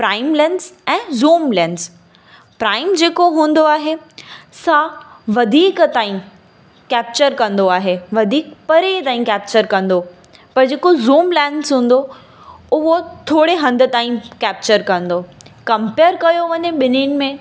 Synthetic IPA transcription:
pɾaːɪmlɛ̃ːnsɛ̃ːzuːmlɛːns | pɾaːɪmd͡ʑeːkoɦũːn̆d̪oaːɦesãʋɐd̪ʱiːkt̪aːĩ | kɛːp̚t͡ɕəɾkɐ̃nd̪oaːɦeʋɐd̪ʱiːkpɐɾet̪aːɦĩkɛːp̚t͡ɕəɾkɐ̃nd̪o | pɐɾd͡ʑeːkozuːmlɛ̃ːnzɦũːn̆d̪o | ʊɦot̪ʰoːɽeɦɐ̃nd̪ʱə̆t̪aːĩkɛːp̚t͡ɕəɾkɐ̃nd̪okɐ̃mpeːɾkɐjoʋɐɲẽɓɪninmẽ

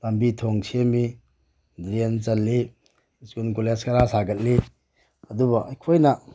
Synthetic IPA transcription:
lɐmbitʰoŋsʰiemi | dɾent͡ʃɐlːi | skunkoleskɐɾasaɡɐt̚li | ɐdubɐʔɐjkʰojnɐ

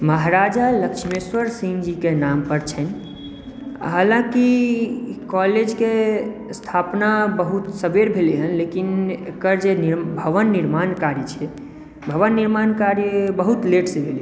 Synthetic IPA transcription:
məɦɾad͡ʒaləkt͡ʃʰmeswəɾsĩŋd͡ʒikenampəɾt͡ʃʰən | a̰ɦəlãki | kɔled͡ʒkest̪ʰapnabəɦut̪səbeɾbʱeliɦənlekinḛkəɾd͡ʒeniɾbʱəʋənːiɾmankaɾjət͡ʃʰɛ | bʱəʋənːiɾmankaɾjəbəɦut̪leʈsẽbʱeli

